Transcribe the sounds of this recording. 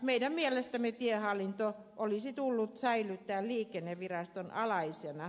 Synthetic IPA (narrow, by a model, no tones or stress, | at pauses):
meidæmmielest̪æmet̪iehɑlːint̪o | ʔolisit̪ulːut̪sæilyt̪ːæːlliːkenːeʋʋirɑst̪onɑlɑisenɑ